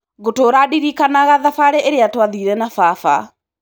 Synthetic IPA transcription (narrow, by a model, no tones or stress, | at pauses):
ɣotoɾaɗiɾikanaɣaðafaɾɛʔeɾeatwaðiːɾɛnafafa